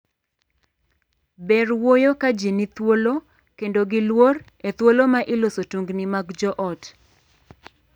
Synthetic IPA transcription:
bɛrwojokad͡ʒinit̪wolo | kendoɡɪlwor | et̪wolomaʔɪlosotuŋɡnɪmaɡd͡ʒɔʔɔt

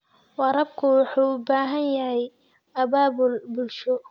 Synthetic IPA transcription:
wɑɾɐb̚kʰʊwɑħuːbaːɦɐnjɐɦɛj | ɐbaːbʊlbʊlʃɔ

